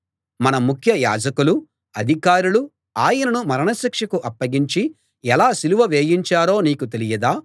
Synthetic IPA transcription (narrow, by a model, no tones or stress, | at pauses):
mɐnɐmukʰjɐja̰ːd͡ʒɐkulu | ɐd̪ʱikaːɾulu | aːjɐnɐnumɐɾɐɳɐʃikʂɐkuʔɐpːɐɡiɲt͡ʃi | ɛlaːsiluʋɐʋe̞ːjiɲt͡ʃaːɾo̞ːniːkut̪e̞lijɐd̪aː